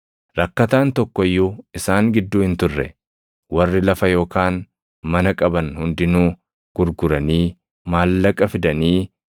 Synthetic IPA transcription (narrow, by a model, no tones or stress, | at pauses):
ɾɐkːɐt̪aːnt̪ɔkːɔɪjːuɪsaːŋɡɪd̪ːuːhɪnt̪ʊrːɛ̰ | wɐrːɪlɐfɐjo̞ːkaːn | mɐnɐkʼɐbɐnhʊnd̪ɪnuː | ɡ̥ʊɾɡʊɾɐniː | maːlːɐkʼːɐfɪd̪ɐniː